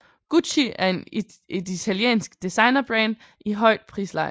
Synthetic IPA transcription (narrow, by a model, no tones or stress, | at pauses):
ɡ̥uɕiʔæɐe̝n | e̝dit͡sʰæljḛːnsɡ̥d̥isɑ̈ɪnɐb̥ʁɛnd̥ | iɦɒ̽ɪ̰d̥̚pʰʁḭːslɑ̈ɪ̰